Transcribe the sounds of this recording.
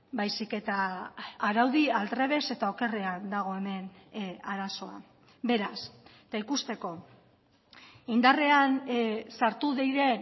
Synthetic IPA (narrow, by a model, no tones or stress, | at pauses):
bajsike̞t̪aː | ɾawðialt̪ɾe̞β̞e̞se̞t̪ao̞ke̞reand̪aɣ̞o̞e̞me̞naɾaso̞a̰ | be̞ɾaset̪aikust̪e̞ko̞ | ind̪are̞ansaɾt̪uðejɾe̞